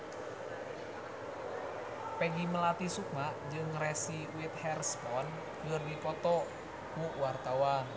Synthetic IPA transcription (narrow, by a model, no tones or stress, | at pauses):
pɛɡiməlat̪isuk̚maʔd͡ʒɨŋrɛsiwɪt̪̚hɛrspɔn | ŋərdipɔt̪ɔ | kuwart̪awa